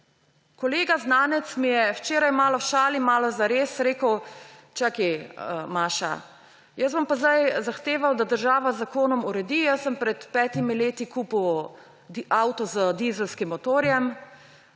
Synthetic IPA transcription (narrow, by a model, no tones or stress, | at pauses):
kɔleːɡaznaːnɛt̪smijɛwt͡ʃeːɾajmaːlɔʃaːlimaːlɔzaɾeːsɾeːkəwt͡ʃakiəmaːʃa̰ | jəsbɔmpazd̪ajzaxt̪eːʋawd̪ad̪əɾʒaːʋazːakoːnɔmuɾɛd̪iːjəsəmpɾɛt̪pɛːt̪imileːt̪ikuːpw | aːwt̪ɔzəd̪izɛlskimːɔt̪oːɾjɛm